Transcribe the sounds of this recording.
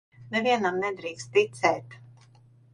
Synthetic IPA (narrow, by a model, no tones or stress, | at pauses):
nɛviɛnamnɛd̪ɾiːkst̪ːit̪sɛːt̪